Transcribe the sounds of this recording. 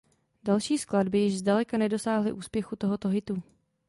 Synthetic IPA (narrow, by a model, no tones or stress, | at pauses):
dalʃiːskladbɪjɪʒzdalɛkanɛdo̞saːɦlɪ̰ʔuːspjɛxut̪o̞ɦot̪oɦɪt̪u